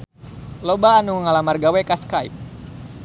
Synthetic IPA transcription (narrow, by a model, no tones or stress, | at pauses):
lobaːnuŋəŋalamarɡawɛkaskaḭp̚